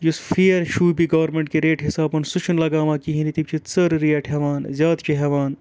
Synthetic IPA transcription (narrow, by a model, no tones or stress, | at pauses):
jusfʰijɐɾʃuːbiɡɐʋɐɾmẽɳʈ̚keɾeːʈɦɪsaːbɐnsʊt͡ʃʰunlɐɡaːmakiɦĩnit̪ib̚t͡ʃʰit̪sɐɾɾijɐʈʰɦɐʋaːnzʲjaːd̪t͡ʃʰiɦɛʋaːn